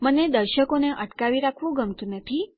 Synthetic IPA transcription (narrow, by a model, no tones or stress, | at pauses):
məned̪əɾʃəkoneʔəʈkaʋiɾakʰʋũɡəmt̪ũnət̪ʰi